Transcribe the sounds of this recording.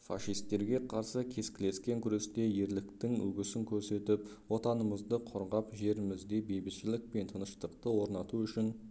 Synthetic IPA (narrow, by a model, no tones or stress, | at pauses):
fɑ̰ʃijst̪ːe̞ɾɡʲe̞qʰɑɾsəkʲʰe̞skʲɪle̞skʲe̞ŋkʲʰʏɾe̞st̪e̞je̞ɾlɪkt̪ɪŋɵ̰ɡʲɪsɪŋkʲʰɵɾse̞t̪ɪpwo̞t̪ɑnəməzd̪əqʰoɾʁɑpʒe̞ɾɪmɪzd̪e̞bejbɪʃɪlɪk̚pe̞nt̪ʰənəʃt̪əqt̪əwo̞ɾnɑt̪uʏʃɪn